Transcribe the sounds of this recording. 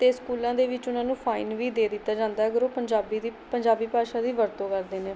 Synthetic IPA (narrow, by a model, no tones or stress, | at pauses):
t̪eːskuːlãːd̪eːʋɪt͡ʃʊnãːnũːpʰaːinʋiːd̪eːd̪ɪt̪ːaːd͡ʒãːnd̪aːəɡəɾoːpəɲd͡ʒaːbiːd̪iːpəɲd͡ʒaːbiːpaːʃaːd̪iːʋəɾt̪õːkəɾd̪eːneː